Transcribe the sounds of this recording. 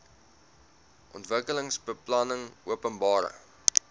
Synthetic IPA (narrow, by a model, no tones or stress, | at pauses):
ʔɔntvəkələŋsbəplɐnəŋuəpənbɑːɾə̰